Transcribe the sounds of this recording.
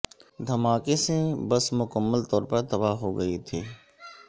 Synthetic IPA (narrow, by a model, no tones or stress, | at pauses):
d̪ʱɐmaːkesebɐsmʊkəmːəlt̪ɔːɾpəɾt̪ɐbaːɦoɡɐet̪ʰeː